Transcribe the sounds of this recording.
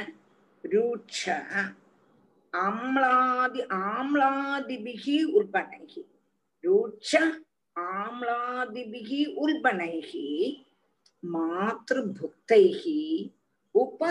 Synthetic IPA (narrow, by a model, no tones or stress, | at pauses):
ɾuːt͡ʃʰɐ | amɭaːd̪iʔaːmɭaːd̪ibiɣiulpɐnɐ̰jhi | ɾuːt͡ʃɐ | aːmɭaːd̪ibiɣiulpɐnɐjɣi | maːt̪rɨbʱuk̚t̪ɐjɣi | upːɐ